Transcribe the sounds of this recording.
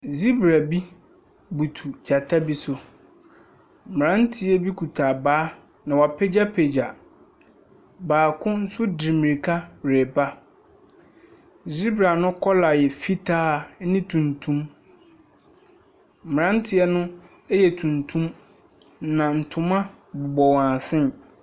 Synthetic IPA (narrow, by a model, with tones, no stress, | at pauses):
zi˦bɾa˨bi˦ | bu˨tʰu˨d͡ʑa˨tʰa˦bi˦sʊ˨ | m˨ɾã˦n̩˦tʰɪ˦ɛ˦bi˦kʰu˨tʰaː˨baː˦ | nã˨wa˨pʰɛ˦d͡ʑa˦pʰe˨d͡ʑa˨ | baː˨kʰʊ̃˦n̩˦sʊ˦di˨mĩ˨ɾi˨kʰa˦bɾe˨ba˦˨ | zi˦bɾa˨nʊ̃˦kʰɔ˦la˨jɛ˨fi˦tʰaː˦nɪ̃˦tʰũ˨ntʰũ˦m˨ | ɾã˦n̩˦tʰɪ˦ɛ˦nʊ̃˦ | ɛ˦jɛ˨tʰũ˨ntʰũ˦m | nã˨n̩˨tʰʊ̃˨mã˦ | bʊ˨bɔ˨wã˨sɪ̃˦n